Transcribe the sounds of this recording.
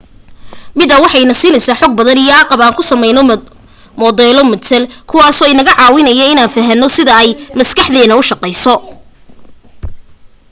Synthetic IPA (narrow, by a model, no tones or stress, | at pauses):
mɪðɐwɑħɑjnɐsiːnɛjsaːħɔːɡ̚bɐðɐnijɔaqɑβaːŋkʰʊsɐmɛjnɔ | mɔðɛːlɔmɐt̪sɛlkʰʊwɑːsɔːɪnɐɣɐʕɑːwɪnɐjɐɪnaːnfɐɦɐnːɔsɪðɐɛjmɐskɑħðɛːnɐʊʃɑqɛjsɔ